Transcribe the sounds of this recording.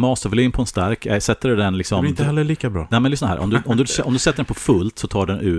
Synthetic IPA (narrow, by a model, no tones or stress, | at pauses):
mɑːsəvliːnpʰɔɛnst̪aɾkʰɛsɛt̪ːəɖɵd̪ɛnlɪksɔmɪəhɛlːəliːkabɾɑ̰ːnɛːmɛnɪsɔnaɦæ̰ːʔɔ̰md̪ʉʔɔmd̪ɵsɛʔɔmd̪ɵsɛt̪ːəɖɛnpʰɔfɵlt̪sɔt̪ʰɑːɖɛnʔʉ̟ː